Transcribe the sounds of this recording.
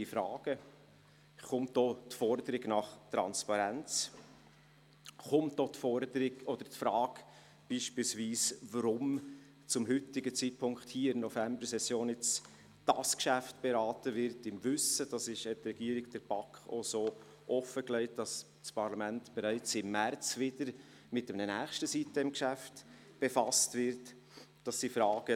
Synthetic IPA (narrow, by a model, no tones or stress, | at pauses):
ifɾɑ̰ːɡ̥ə | χʊmt̚d̥ɔtfɔɾdəɾɪɡnɑχtɾɑ̰nspɑɾænt͡s | χʊmt̚dɔtfɔɾdəɾɪɡɔd̥̪əɾtfɾɑːk | b̥iːʃpiːlsviːsvəɾʊm | t͡sʊmhʏtɪɡət͡siːt̚pʰʊŋkχthiːɪmnɔfæmbəɾsɛsjoːnɪt͡s | d̥ɑskʃæftb̥eɾɑːtəvɪɾtɪmvʏsəd̥ɑsɪʃhɛtrɛɡ̥iːɾɪɡd̥ɛɾb̥ɑkχosoː | ʔɔfəklɛɪtd̥ɑs | spʰɑɾlɑmæntb̥ɛɾæɪt͡sɪmːært͡svɪd̥əɾ | mɪtɛmnənæːχʃtəsitəɪmkʃæft | b̥efɑstvɪɾt | d̥ɑsdifɾɑːɡ̥ə